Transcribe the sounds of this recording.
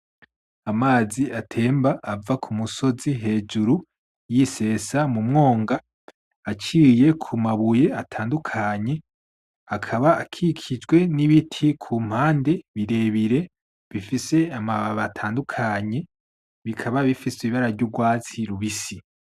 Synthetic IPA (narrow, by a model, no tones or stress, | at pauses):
amaːziatʰe̞ːmbaʔavakʰumuso̞ziɦe̞ːd͡ʒuɾu | jise̞ːsamumŋo̞ːŋɡaː | t͡ʃiːje̞kʰumaβuje̞atʰaːndukʰaɲe̞ | akʰaβaːkʰikʰid͡ʒɡwe̞niβitʰikʰuːm̥haːnde̞βiɾe̞βiɾe̞ | βifise̞amaβaβatʰaːndukʰaɲe̞ | βikʰaβaβifisiiβaɾaɾɟuɡwaːt͡siɾuβisi